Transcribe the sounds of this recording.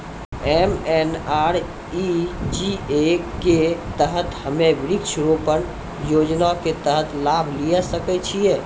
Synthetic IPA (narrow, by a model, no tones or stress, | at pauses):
emɛnaɾ | id͡ʒiekːet̪əɦət̪həmebɾiksʰɾopən | jod͡ʒnaket̪əɦət̪ʰlabʱlijasəkɛt͡ʃʰije